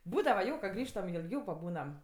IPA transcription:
ˈbuːdɐʋɐ ˈjoː kɐ ˈɡrʲiːʃtɐm ɪ ɪlʲˈɡʲɛʊ pɐˈbuːnɐm

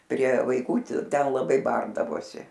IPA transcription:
pʲrʲiɛ ʋɐɪˈkuː ˈtʲɪ ˈtʲɛn lˠɐˈbɐɪ ˈbɐrdɐʋoːsʲɪ

